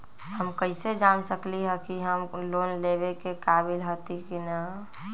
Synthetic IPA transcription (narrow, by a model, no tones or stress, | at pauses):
həmkəɪsed͡ʒansəkliɦɛkiɦəmloːnlebekekaːbɪlɦot̪ikina